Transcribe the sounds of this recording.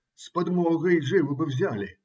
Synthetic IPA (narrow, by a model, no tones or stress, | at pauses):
spad̪mɔɣɐjʐɨwɨbɨwzʲalʲi